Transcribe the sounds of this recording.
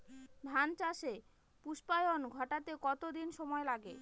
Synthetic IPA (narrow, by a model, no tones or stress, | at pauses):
d̪ʱant͡ɕaʃe | puʃpajonɡʱɔʈat̪ekɔt̪od̪inʃɔmɔelaɡe